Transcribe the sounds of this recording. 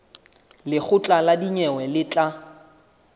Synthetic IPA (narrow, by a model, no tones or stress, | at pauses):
lɪk͡xʰʊt͡ɬʼaladiɲɛwɛlɪt͡ɬʼa